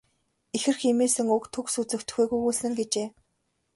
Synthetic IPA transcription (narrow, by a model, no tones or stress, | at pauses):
exɘ̆rximeːsɘ̆ŋɵkt̪ʰɵksut͡sɘ̆kt̪̆xeːɣujɣuːsɘ̆ŋɡet͡ɕeː